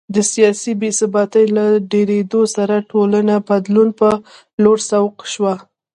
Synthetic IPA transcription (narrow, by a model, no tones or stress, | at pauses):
d̪əsijɑsibesɪbɑt̪əjlaɖeɾed̪osaɾaʈolanabad̪lunpə | loɾsawqʃwa